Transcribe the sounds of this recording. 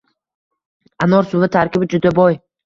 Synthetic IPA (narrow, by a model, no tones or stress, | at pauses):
anɒɾsʊvat̪ʰaɾkʲɪbɪd͡ʒʊd̪abɒj